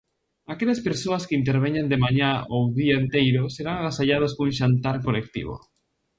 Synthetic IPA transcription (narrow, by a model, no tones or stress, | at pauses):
akeʎaspeɾsoaskeint̪eɾβeɲand̪emaɲaowðiaent̪ejɾoseɾaŋalasaʎað̞askouŋʃant̪aɾkolek̚t̪ḭβo̰